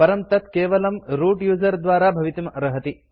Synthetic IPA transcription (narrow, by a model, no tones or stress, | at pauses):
pɐɾɐmt̪ɐt̪keːʋɐlɐmɾuːʈjuːzɐɾd̪ʋaːɾaːbʱɐʋit̪imɐɾɐɦɐt̪i